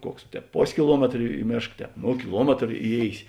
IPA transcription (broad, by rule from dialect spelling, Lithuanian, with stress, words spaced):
ˈkuɔks ˈtʲɛːp ˈpoːsʲ kʲɪˈlˠuɔmʲɛtr ɪ ˈmʲeːʃk ˈtʲɛːp ˈnoː kʲɪˈlˠuɔmʲɛtr ɪˈjeːɪsʲɪ